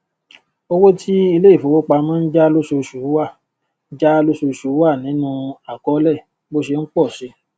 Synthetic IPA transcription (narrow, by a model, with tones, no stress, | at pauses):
o˧wo˦tʰi˦i˧le˦i˦˨fo˨˦wo˦k͡pa˧mãː˦˧n̩˦d͡ʒa˦lo˦su˧ʃu˨˦wa˦˨˦ | d͡ʒa˦lo˦so˧ʃu˨˦wa˦˨nĩ˨˦nũ˧a˨kɔ˨˦lɛ˦˨ | bo˦ʃe˧ŋ̩˦k͡pɔ˦˨ʃe˨˦